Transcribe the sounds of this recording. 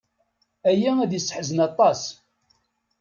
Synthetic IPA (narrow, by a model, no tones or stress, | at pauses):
æjææðjəsːə̥ħzənɑt̪ˤɑs